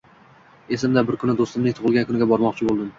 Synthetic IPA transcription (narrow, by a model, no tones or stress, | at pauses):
e̞sɪmd̪abɪɾkʰʊnɪd̪ost̪ɪmnɪŋt̪ʰʊʁɨlˠɡʲankʰʊnɪɡʲabɒɾmɒqt͡ʃʰɪbolˠd̪ɪm